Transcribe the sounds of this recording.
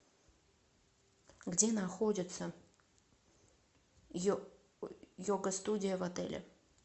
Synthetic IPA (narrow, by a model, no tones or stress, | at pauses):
ɡdʲenaxodʲɪt̪sə | joɡəst̪udʲɪjəvɐt̪ɛ̰lʲɪ̰